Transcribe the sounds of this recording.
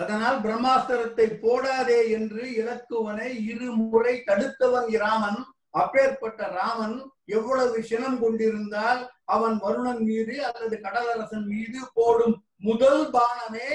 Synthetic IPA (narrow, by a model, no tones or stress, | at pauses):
ɐðɐnaːlbɪɾɐmːaːt̪ɐɾɐt̪ːɐɪpːoːɽaːðeːɛndrɯɪɽɐkːɯʋɐnɐɪɪɾɯmʊrɐɪt̪ɐɽɯt̪ːɐʋɐnɪɾaːʋɐn | ɐpːeːɾpɐʈːɐɾaːmɐnɛʋːɔɭɐʋɯʂɛnɐmkɔɳɖɪɾɯnd̪aːlɐʋɐnʋɐɾɯɳɐnmiːɾɯɐlːɐðɯkɐɽɐlɐɾɐsɐnmiːðɯpoːɽɯmː | ʊðɐlbaːɳɐmeː